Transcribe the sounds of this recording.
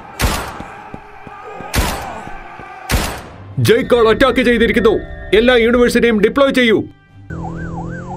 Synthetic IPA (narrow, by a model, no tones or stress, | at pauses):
d͡ʑejkːoːɭotːaːkːɨt͡ɕe̞jt̪iɾikʲːunːue̞lːaːjuːniʋɐrsiʈijumɖipːɭoːjt͡ɕe̞jːu